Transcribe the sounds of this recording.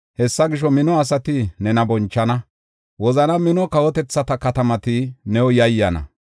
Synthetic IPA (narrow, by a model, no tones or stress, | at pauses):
hɛsːɐɡɪʃ̬ɔmɪnɔɐs̬ɐt̪ɪnɛnɐbɔnt͡ʃːɐnɐ | wɔzɐnɐmɪnɔkɐwɔt̪ɛt͡sːɐt̪ɐkɐt̪ɐmɐt̪ɪnɛwɔjɐjːɐnɐ̰